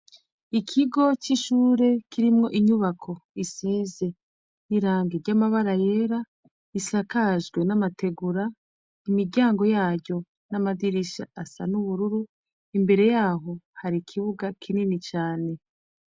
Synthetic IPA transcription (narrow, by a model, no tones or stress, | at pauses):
ikʰiɡo̞t͡ʃiʃuːɾe̞kiɾimŋo̞ʔiɲuβakʰo̞isiːze̞ | niɾaːŋɡeɾɟamaβaɾaje̞ːɾa | isakaʒɡwe̞namate̞ɡuɾa | imiɟaːŋɡo̞jaːɾɟo̞ | namadiɾiʃa̰asa̰nuβuɾuɾu | imbe̞ɾe̞jaːɦo̞haɾikʰiβuɡakʰininit͡ʃaːne̞